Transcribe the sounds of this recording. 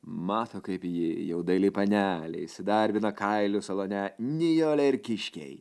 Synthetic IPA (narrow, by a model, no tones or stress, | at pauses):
mɑːt̪oːkɐɪpjɪjɛʊd̪ɐɪlʲɪpɐnʲæːlʲɛ̰ɪsʲɪd̪ɐɾʲʋʲɪnɐkɐɪlʲʊsɐlˠoːnʲɛnʲɪjoːlʲɛɪɾʲkʲɪʃʲkʲɛ̰ɪ